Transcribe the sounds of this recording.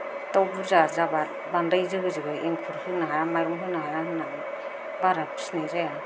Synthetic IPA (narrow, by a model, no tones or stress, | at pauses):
tawbuzazaba | bandajzɯɡɯzɯɡɯeŋkʰuɾhɯnaɦajamajɾɔŋɦɯnaɦajɾaɦɯna | baɾapʰi̥snazaja